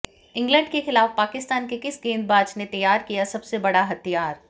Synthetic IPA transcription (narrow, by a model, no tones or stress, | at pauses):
ɪ̃ŋɡlə̃ɳɖkexɪlaːfpaːkɪst̪aːnkekɪsɡẽːnd̪̚baːd͡ʒnet̪ɐjːaːɾkijasɐbsebɐɽaɦɐt̪ijaːɾ